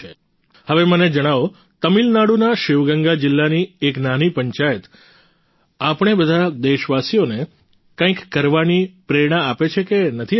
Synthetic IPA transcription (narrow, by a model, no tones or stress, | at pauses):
e | həʋeməned͡ʒəɽ̃aʋo | t̪əmilnaɽunaʃɪʋɡəŋɡad͡ʒɪlːanieknanipəɲt͡ʃajət̪ | apɳ̃ebəd̪ʱad̪eʃʋasijone | kãĩkːəɾʋanipɾeɾɳ̃aapet͡ʃʰekenət̪ʰi